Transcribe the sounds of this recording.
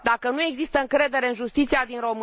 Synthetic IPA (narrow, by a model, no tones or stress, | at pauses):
d̪akənue̞ɡzist̪əɨŋkɾe̞d̪e̞ɾe̞ɨnʒust̪it̪siad̪inɾo̞m